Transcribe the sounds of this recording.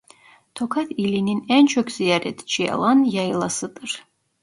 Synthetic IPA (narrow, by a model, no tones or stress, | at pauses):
t̪ʰɔkʰat̪ʰilininɛnt͡ʃʰɔkʰziaɾɛt̪t͡ʃʰia̰lˠanjajlˠasɨt̪ʼɨɾ